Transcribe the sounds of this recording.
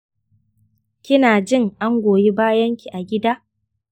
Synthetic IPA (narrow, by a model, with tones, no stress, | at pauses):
kʲɪ˦naː˨d͡ʒɪ˦˨ŋʔa˦ŋɡʷoː˨ji˦baː˦jɐ˦ŋkʲi˨ʔa˨ɡʲɪ˦daː˦